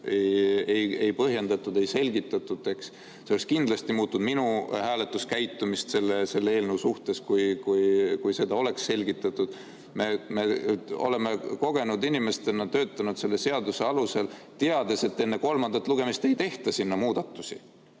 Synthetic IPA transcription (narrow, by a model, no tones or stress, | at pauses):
ejeje̞jpɤɦje̞nd̪̥ɑt̪ːˑud̪e̞jse̞lʲɡit̪ːˑɑt̪ːˑud̪̥e̞ks | seolekskind̪lɑsʲt̪imuːt̪ːˑud̪̥minuhæːlet̪ːˑuskæjt̪ːˑumist̪se̞lːese̞lːee̞ːlnewsuht̪e̞skujkujkujse̞d̪̥ɑo̞le̞ksːe̞lʲɡit̪ːˑɑt̪ːˑud̪̥ | me̞me̞o̞̰le̞meko̞ɡ̥e̞nud̪inime̞st̪e̞nɑt̪ø̞ːt̪ːˑɑnud̪̥se̞lːe̞seɑd̪use̞ɑluse̞l | t̪eɑd̪̥e̞se̞t̪ːe̞nːe̞ko̞lmɑnd̪̥ɑt̪ːˑluɡ̥e̞mist̪e̞jt̪e̞ht̪ɑsinːɑmuːd̪̥ɑt̪ːˑusi